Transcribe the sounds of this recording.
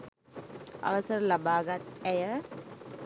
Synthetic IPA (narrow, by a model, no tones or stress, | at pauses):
ɐ̰ʋɐsɐɾlɐbaːɡat̪ɛjɐ